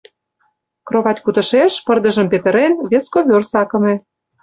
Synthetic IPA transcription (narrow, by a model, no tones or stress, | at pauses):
kroβɑtʲkut̪ə̆ʃeʃpə̆rd̪ə̆ʒə̆mpet̪ə̆ɾenβeskoβʲørsɑkɤ̆mĕ